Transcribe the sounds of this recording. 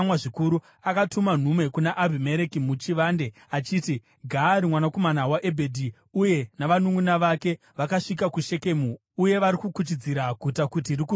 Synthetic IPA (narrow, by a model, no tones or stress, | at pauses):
mwaʐikuɾu | akatuman̤umwe̞kunaʔabʱime̞ɾe̞kimut͡ʃiʋande̞ | at͡ʃiːti | ɡʱaːɾimwanako̞manawaʔebʱe̞dʱi | uje̞naʋanuŋunaʋake̞ | ʋakaʂik̬akuʃe̞ke̞mu | uje̞ʋaɾikukut͡ʃid͡ziɾakutakutiriku